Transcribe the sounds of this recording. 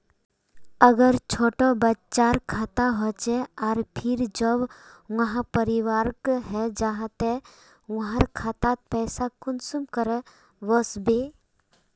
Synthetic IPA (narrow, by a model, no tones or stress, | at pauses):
əɡəɾt͡ʃʰoːʈobətt͡ʃaːɾkʰaːt̪aɦɔt͡ʃɛaːɾpʰɪɾd͡ʒəbʋəɦãpəɾiʋaːɾkɦɛd͡ʒaɦt̪e | ʋɐɦãɾkʰaːt̪at̪̚pɛːsakʊnsumkəɾə | ʋəsbe